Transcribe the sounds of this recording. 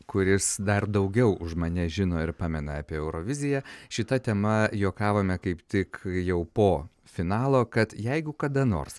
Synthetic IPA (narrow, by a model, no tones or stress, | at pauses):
kʊɾʲɪsd̪ɐrd̪ɐʊɡʲɛʊʔʊʃmɐnʲɛʒʲɪnoːɪɾpɑːmʲɛnɐɑːpʲeːɛʊɾoːʋʲɪzʲɪjæʃʲɪt̪ɐt̪ʲɛmɐjoːkɑːʋoːmʲɛkɐɪpt̪ʲɪkjɛʊpoː | fʲɪnɑːlˠoːkɐt̪jɛɪɡʊkɐd̪ɐno̰ːrs